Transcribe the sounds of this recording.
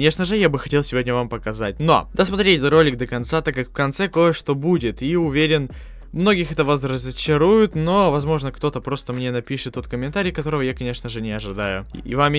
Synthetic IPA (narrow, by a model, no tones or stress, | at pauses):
nʲeʂnəʐɨjabɨxɐtʲelˠsʲɪvo̞dʲnʲəvampəkɐzat̚ʲno̞̰d̪asmɐt̪ɾʲetʲɛət̪ro̞lʲɪkd̪əkɐnt̪sat̪akːakfkɐnt̪sɛko̞jəʂt̪o̞budʲɪt̪iʊvʲeɾʲɪn | mno̞ɡʲɪxɛt̪əvɐsrəzət͡ɕɪɾujʊt̪no̞vɐzmo̞ʐnəkt̪o̞t̪əpɾo̞st̪əmnʲe̞nɐpʲiʂɨt̪ːot̪̚kəmʲɪnt̪aɾʲɪjkɐt̪o̞ɾəvəjakɐnʲe̞ʂnəʐɨnʲɪɐʐɨd̪ajʊḭvamʲ